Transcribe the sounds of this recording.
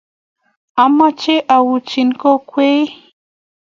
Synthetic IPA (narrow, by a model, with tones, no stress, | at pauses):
a˨ma˦t͡ʃe˦ʔa˨wu˨t͡ʃi˧nko˦kʷe˦j